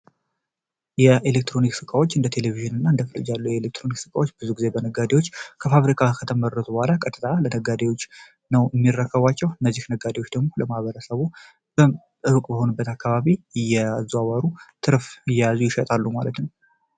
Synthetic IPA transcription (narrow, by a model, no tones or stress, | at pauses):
jɛelek̚t̪ʰɾo̞niksɨkʼawot͡ʃːɨnd̪ət̪ʰe̞le̞viʒɨnɨnːaɨnd̪əfɨlɨ̰d͡ʒalːujɛelek̚t̪ʰɾo̞niksɨkʼawot͡ʃːb̥ɨzuɡize̞bənəɡad̪ewot͡ʃːkʰəfaβɾikʰakʰət̪ʰəmərːət̪ʼubhalakʼət̪ʼːɨt̪ʰʼalənəɡːad̪ewo̞t͡ʃː | nəwjɪmːirːəkʰːəβat͡ʃːɛwɨnːəzːihnəɡːad̪eot͡ʃːd̪əɡmo̞ləmahβəɾəsəβu | b̥ə | ʔɨwkʼbəho̞nɨbːət̪akʰːaβaβijɛazuawaɾut̪ʰɨɾfɨjːɛjazujɪʃət̪ʼalːumalət̪nw